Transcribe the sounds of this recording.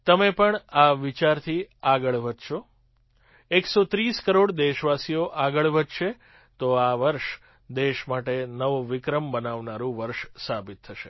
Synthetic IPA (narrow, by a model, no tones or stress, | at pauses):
t̪əmepəɳaʋit͡ʃaɾt̪ʰiaɡəɭʋəd͡ʒ̪ʃʰo | eksot̪ɾiskəɾoɽd̪eʃʋasijoʔaɡəɭʋəd͡ʒ̪ʃe | t̪oaʋəɾʃ | d̪eʃmaʈenəʋoʋɪkɾəmbənaʋnaɾũʋəɾʃsabit̪ʰːəʃḛ